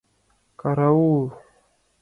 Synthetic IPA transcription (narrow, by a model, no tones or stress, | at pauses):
kaɾaulu